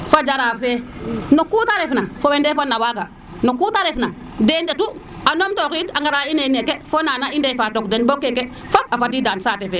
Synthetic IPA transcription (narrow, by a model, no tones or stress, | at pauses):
fad͡ʒaɾafenokːutaɾefnafowendefonːawaɡa | nokːutaɾefna | dendetu | anomtokitaŋɡaɾainenekɛfonanaindefatokdenbokːekɛ | fabafadidansatɛfɛ